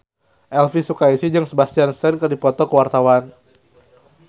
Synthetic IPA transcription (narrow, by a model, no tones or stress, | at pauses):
ʔɛlfisukaisid͡ʒɨŋsəbast̪iansɛnkərdipɔt̪ɔkəwart̪awan